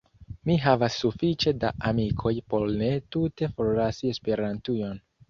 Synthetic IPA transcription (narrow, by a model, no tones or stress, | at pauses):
miɦavasːufit͡ʃe̞da̰ʔamikʰo̞jpo̞ɾne̞tute̞fo̞ɾlasie̞spe̞ɾantujo̞n